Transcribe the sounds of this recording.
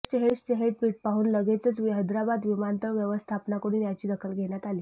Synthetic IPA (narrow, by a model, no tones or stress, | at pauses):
t͡ɕeɦest͡ɕeɦepiːʈ̚paɦuːnləɡet͡sət͡sʋiɦəd̪ɾabad̪ʋimant̪əʋjəʋəst̪ʰapnakoɽ̃iːnjat͡ɕiːd̪əkʰəlɡʱeɽ̃jat̪aliː